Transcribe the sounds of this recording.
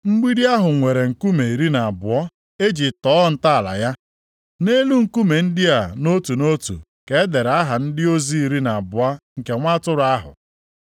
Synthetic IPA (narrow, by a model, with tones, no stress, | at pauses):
ŋ͡m̩˦ɡ͡bi˦ɾi˦a˦ɦʊ˨ŋʷe˨ɾe˨ŋ̩˨ku˦me˨i˨ɾi˦na˨a˨bʊ˨ɔ˦ | e˦d͡ʒi˨tɔː˦n̩˦ta˦a˨la̰˨ja˦ | ne˦lu˦ŋ̩˨ku˦me˨n̩˦dɪ˦a˨no˦tu˨no˦tṵ˨ | ke˨˦de˨ɾa˦ɦa˨n̩˦dɪ˦o˦zi˦i˨ɾi˦na˨bʊ˨a˦ŋ̩˨ke˨ŋʷa˦tʊ˦ɾʊ˨˦a˦ɦʊ̰˨